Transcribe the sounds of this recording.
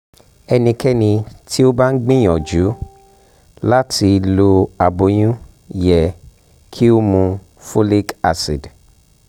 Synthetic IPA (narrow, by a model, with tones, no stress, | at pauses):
ɛ˧nĩ˧kɛ˦nĩ˧tʰi˦o˦ba˦n̩˦ɡ͡bĩ˦j̃ɔ̃˨d͡ʒu˨˦ | la˦tʰi˧lo˧a˨bo˨˦j̃ũ˦ | jɛ˨ | kʰi˦o˦mũ˧ | fo˦li˦ka˨si˨d